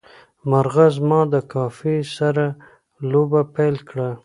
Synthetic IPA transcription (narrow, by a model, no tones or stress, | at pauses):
maɾɣazmɑd̪əkɑfisaɾa | lobapajlkɽa